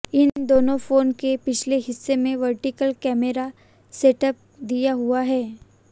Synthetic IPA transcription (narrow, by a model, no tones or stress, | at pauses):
ɪnd̪oːnõfoːnkepɪt͡ʃʰleɦɪsːemẽʋɐɾʈɪkəlkɛːmeɾa | seʈəp̚d̪ijaɦuaɦɛː